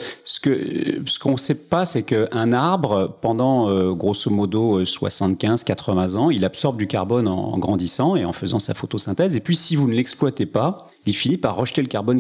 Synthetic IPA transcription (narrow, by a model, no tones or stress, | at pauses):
sə̥kəsə̥kɔ̃sɛpasɛkəʔɛ̃naʁbʁəpɑ̃d̪ɑ̃øɡʁosomɔd̪oøswa̰sɑ̃t̪kʲɛ̃z̥kat̪χəvɛ̃zɑ̃ilabsɔʁb̚d̪ykʲaʁbɔnɑ̰̃ɡʁɑ̃d̪isɑ̃eɑ̃fəzɑ̃sa̰fot̪osɛ̃t̪ɛzepɥisivunlɛksplwat̪epa | ilfinipaʁːəʃt̪eləkaʁbɔn